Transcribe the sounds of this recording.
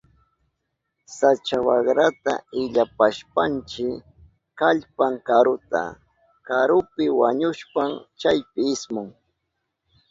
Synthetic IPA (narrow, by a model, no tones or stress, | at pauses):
sat͡ʃawaɢɾat̪a̰ɪʎapaʃpant͡ʃɪ | kaʎpaŋkaɾʊt̪a̰ | kaɾʊpɪwaɲʊʃpaŋt͡ʃajpɪɪsmʊŋ